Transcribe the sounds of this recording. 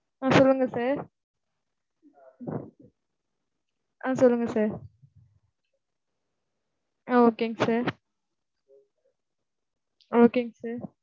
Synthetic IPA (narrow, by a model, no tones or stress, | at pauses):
ãːsɔlːɯŋɡɐsaːɾ | ʔãːsɔlːɯŋɡɐsaːɾ | aoːkeŋɡsaːɾ | oːkeŋɡsaːɾ